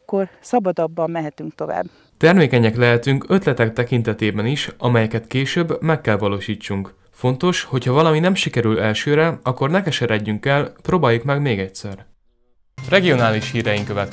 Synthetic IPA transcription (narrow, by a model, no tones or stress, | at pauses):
kːo̞rsɒbɒd̪ɒbːɒmːɛɦɛt̪yŋk̚t̪o̞va̰ːbː | t̪ɛrmeːkɛɲɛklɛɦɛt̪yŋkøt̪lɛt̪ɛk̚t̪ɛkin̪t̪ɛt̪eːbɛniʃɒmɛjɛkɛt̪keːʃøbːmɛkːɛlvɒloːʃiːt͡ʃːuŋk | fo̞nt̪o̞ʃho̞chɒvɒlɒminɛmʃikɛɾylɛlʃøːɾɛɒkːo̞rnɛkɛʃɛɾɛɟːyŋkɛlproːbaːjːukmɛɡmeːɡɛcsɛr | rɛɡijo̞naːliʃhiːɾɛjiŋkøvɛt̪